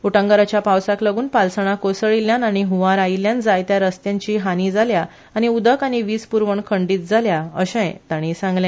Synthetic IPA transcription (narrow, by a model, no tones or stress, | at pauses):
uʈə̃ŋɡaɾat͡ɕjapawsakləɡuːnpalsəɽ̃akosəɭiljanañiɦuʋaɾailjãnd͡zajt̪jaɾəst̪jãɲt͡ɕiːɦaniːd͡zʱalja | aɽ̃iud̪əkaɽ̃iʋiːspuɾʋəɳkʰəɳɖiːt̪̚d͡zʱaljaəɕə̃jt̪aɽ̃isãŋɡljã